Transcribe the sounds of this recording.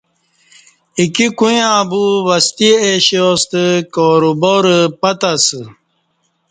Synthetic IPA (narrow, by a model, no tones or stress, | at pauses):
ikikujãːbuwɐst̪ieɕoːst̪əkoːɾuboɾəpɐt̪asə